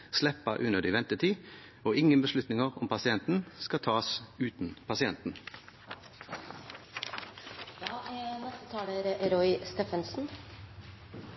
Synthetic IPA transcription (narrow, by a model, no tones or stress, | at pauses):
slɛpːəʔʉnəd̪ɪʋɛnt̪ət̪ʰiː | oːʔɪŋənbəslʉt̪nɪŋəʁɔ̰mpʰɑsɪɛnt̪n̩skɑt̪ʰɑːsʉːt̪n̩pʰɑsɪɛnt̪n̩ | jɑnɛst̪ət̪ʰɑːləɾɾɔʏst̪eːfənsn̩